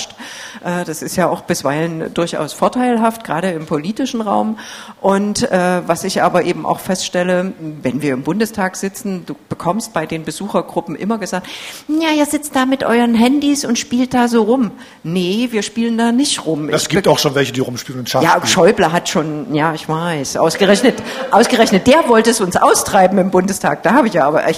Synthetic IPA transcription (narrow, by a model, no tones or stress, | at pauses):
ʃtʔɛːd̥asɪstjaːʊxb̥ɪsv̥aɪləndʊɐçʔa̰ʊsfoːɐtʰaɪlɦaft̚ɡ̥ʁaːɾəɪmpʰoliːtɪʃn̩ʁa̰ʊmʔʊntʔɛːvasɪçʔaːbɐʔeːbm̩ʔa̰ʊxfɛstʃtɛləvɛnviːɐɪmbʊndəstʰaːkz̥ɪt͡sn̩duːb̥əkʰɔmst̚b̥aɪdeːnbəzuːxɐɡʁʊpm̩ʔɪ̰mɐɡəzaːk̚tnjaːʔiːɐzɪt͡st̚d̥aːmɪtʔɔ̰ʏʁənɦɛndisʊntʃpiːlt̚d̥aːzoːʁʊm | nəviːɐʃpiːləndaːnɪçtʁʊmʔɪsɡiːptaʊxʃoːnvɛlçədiːʁʊmʃpiːlənʊnʃajaːʃɔʏblɐɦatʃoːnjaːɪçv̥aɪsʔa̰ʊsɡ̥əʁɛçnət | ʔaʊsɡ̥əʁɛçnət̚d̥eːɐvɔltəɛsʊnsʔa̰ʊstʁ̥aɪbm̩ɪmbʊndəstʰa̰ːk̚d̥aːhaːbəɪçjaːʔaːbɐʔɛ